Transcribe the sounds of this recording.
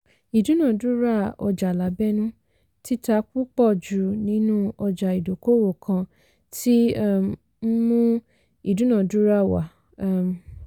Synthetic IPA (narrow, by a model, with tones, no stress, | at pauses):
i˨dũ˨˦nã˦˨du˦ɾa˦˨ɔ̰˧d͡ʒa˨la˨˦bɛ˦nũ˦ | ti˦ta˧˦k̚u˦k͡pɔ˦˨d͡ʒu˨nĩ˨˦nũ˦ɔ˧d͡ʒa˨i˨do˨ko˦wo˨kʰã˧ | tʰi˦˨ | m̩˦mũ˦ | i˦˨dũ˨˦nã˦˨du˨˦ɾa˦˨wa̰˨˦˨